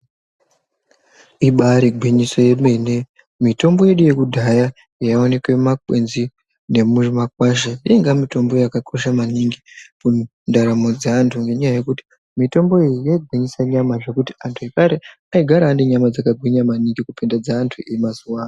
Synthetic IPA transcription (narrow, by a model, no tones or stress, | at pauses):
iɓaɾiɡʱwiɲiso̞je̞mene̞ | mito̞mbo̞je̞ɗuje̞kudʱaja | jaone̞kwe̞makwe̞nzi | ne̞muʐmakwaʃaiŋɡamito̞mbo̞jakakʰo̞ʃamaniŋɡipundaɾamo̞d͡zaːntʰuŋɡe̞ɲajaje̞kuti̥ | mito̞mbo̞ejijaiɡʱwiɲisaɲamaʐe̞kuti̥antʰujekaɾe̞ | aiɡʱaɾaːndiɲamad͡zakaɡʱwiɲamaniŋɡikupindad͡zaːntʰuimasuwaːna